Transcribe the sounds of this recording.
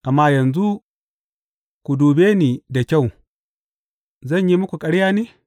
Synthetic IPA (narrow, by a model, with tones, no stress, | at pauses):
ʔa˨mːa˦jɐ˨nzu˦ | ku˨duː˨beː˦ni˨da˨kʲa˦˨w | zɐ˦˨ɲji˦mʊ˦kʷu˨kʼɐ˦ɽja˦ne˦